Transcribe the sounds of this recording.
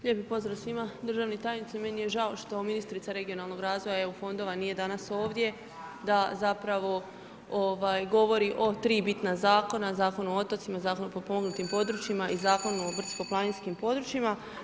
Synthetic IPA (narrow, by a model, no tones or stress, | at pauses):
ʎʲepipo̞zɾasʋimad̪ɾ̩ʒaːʋnet̪aːjnit̪saimenije̞ʒaoʃt̪o̞minist̪ɾit̪aɾe̞ɡijo̞nalˠno̞ɡɾaːzʋo̞jaeufo̞nd̪o̞ʋanije̞d̪anaso̞ːʋd̪je̞ | d̪azapɾaʋo̞ | oʋaːjɡo̞ʋo̞ɾiʔo̞t̪ɾiːbit̪nazaːko̞nazaːko̞nuot̪o̞t̪simazaːko̞nupopo̞moɡnut̪impo̞d̪ɾut͡ʃjimaʔizaːko̞nuoʋr̩t̪sko̞plˠaninskimpo̞d̪ɾut͡ʃima